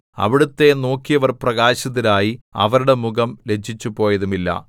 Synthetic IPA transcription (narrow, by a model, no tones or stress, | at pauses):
ɐ̰ʋiɽut̪ːe̞no̞ːkːijɐʋɐrprɐɣaːɕɐðːɐlaːjiɐ̰ʋɐɾuɽe̞muɣɐmle̞d͡ʑʱːit͡ɕːupo̞ːjɐðumilːɐ̰